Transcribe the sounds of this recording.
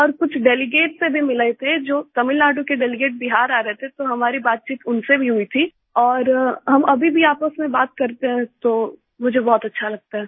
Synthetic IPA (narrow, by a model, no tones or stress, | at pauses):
ɔːɾkʊt͡ʃʰɖɛːlɪɡeːʈsebʱimɪləet̪ʰed͡ʒoːt̪ɐmɪlnaːɖukeɖɛːlɪɡeːʈ̚bɪɦaːɾaːɾɐɦet̪ʰet̪oɦɐmaːɾibaːt̪̚t͡ʃiːt̪ʊnsebʱiɦʊit̪ʰi | ɔːɾɦɐmɐbʱibʱiaːpəsmẽbaːt̪̚kɐɾt̪eɦɛ̃t̪o | mʊd͡ʒʱebɔːt̪ɐtːʃʰalɐɡ̚t̪aɦɛː